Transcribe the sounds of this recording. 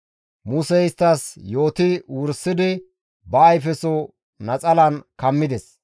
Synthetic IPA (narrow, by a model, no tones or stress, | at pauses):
mʊsɛɪst̪ːɐsjo̞ːt̪ɪwʊɾsːɪd̪ɪ | bɐːjfɛsɔ | nɐt͡sʼɐlɐnkɐmːɪd̪ɛs